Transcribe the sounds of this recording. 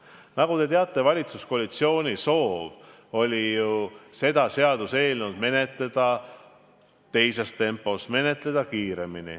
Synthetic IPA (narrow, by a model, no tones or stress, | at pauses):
nɑɡ̥ut̪e̞t̪eɑt̪ːˑe̞vɑlʲit̪susko̞ɑlit̪sio̞ːnʲiso̞ːv | o̞lʲijuse̞d̪̥ɑse̞ɑd̪̥use̞ːlnud̪̥me̞ne̞t̪led̪̥ɑ | t̪e̞jse̞st̪e̞mpːˑo̞sme̞ne̞t̪le̞d̪̥ɑkiːɾe̞minḭ